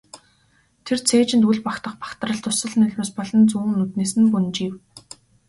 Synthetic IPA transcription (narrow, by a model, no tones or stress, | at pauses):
t̪ʰert͡sʰeːt͡ɕɪ̆nt̪uɮpakt̪ə̆χpḁkt̪rə̆ɬt̪ʊsə̆ɮnɵɮʲmeːspɔɮɞ̆nt͡suːnːut̪neːsɘ̆npunt͡ɕiːw